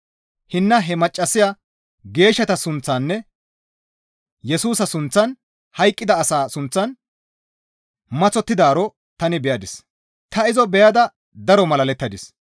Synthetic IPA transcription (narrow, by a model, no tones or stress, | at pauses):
hɪnːɐɦɛmɐt͡ʃʼːɐsɪja | ɡe̞ːʃːɐt̪ɐsʊnt͡sːanːɛ | jɛsuːsɐsʊnt͡sːɐn | hɐjkʼːɪd̪ɐːsaːsʊnt͡sːɐn | mɐt͡sɔt̪ːɪd̪aːɾɔ | t̪ɐnɪbɛjɐd̪ɪs | t̪ɐɪzɔbɛjɐd̪ɐ | d̪ɐɾɔmɐlɐlɛt̪ːɐd̪ɪs